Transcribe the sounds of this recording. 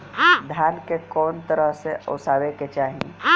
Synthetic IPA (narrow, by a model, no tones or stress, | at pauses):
d̪ʱjaːnkekɔːnt̪əɾəɦseo̰ːsaːʋeket͡ʃaːɦḭ